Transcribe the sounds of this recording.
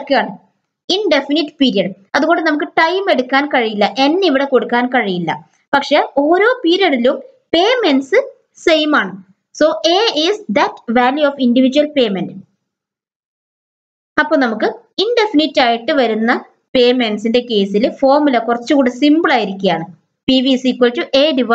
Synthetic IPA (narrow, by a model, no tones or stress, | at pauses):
kːejaːɳɨ | inɖefinitːpiːɾijɐɽ | ɐðuɣo̞ɳɖɨnɐmuk̬ːɨʈɐjme̞ɽukːaːnkɐɻijilːɐʔe̞nːeiʋiɽe̞ko̞ɽukːaːnkɐɻijilːɐ̰ | pɐkʂe̞o̞ːɾo̞ːpiːɾijɐɽilum | pe̞ːmensɨ | se̞jmaːɳɨ | so̞ːʔeːisd̪ɐtʋaːljuoːfindiʋid͡ʑuwɐlpe̞ːmend | ɐpːo̞ːnɐmukːɨ | indefinitːaːjiʈːɨʋɐɾunːɐ | pe̞ːme̞nsinde̞ke̞ːsilfo̞ːrmulɐkurɐt͡ɕːɨkuːɽesimbɨɭaːjiɾikʲːijaːɳɨ | piʋisiːkːɐltːuʔe̞ːɖiʋɐ